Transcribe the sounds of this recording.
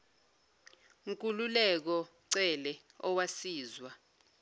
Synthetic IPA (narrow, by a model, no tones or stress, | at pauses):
ŋkʼululɛk̬ɔ | ǀɛlɛ | ɔwasiːzwa